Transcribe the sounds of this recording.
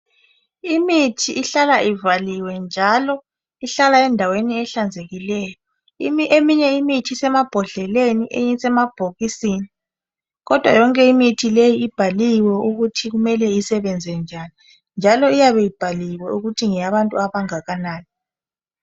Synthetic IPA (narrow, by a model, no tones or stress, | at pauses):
imitʰiʔːɬalaʔivaliwɛnd͡ʒʱalɔ | iɬalaɛndʱaweniɛɬand͡zʱeɣilɛːjɔ | imʔemiɲɛimitʰisɛmab̥ʱɔɮɛleniʔejisɛmab̥ʱoɣisini | ɣɔd̥ʱwa̰jɔŋkʼɛimitʰilejiːb̥ʱaliwɛuɣutʰiɣumɛlɛisɛβɛnd͡zʱɛnd͡ʒʱani | nd͡ʒʱalɔijaβɛjib̥ʱaliwɛuɣutʰiŋɛjaβantʼuaβaŋaɣanaːni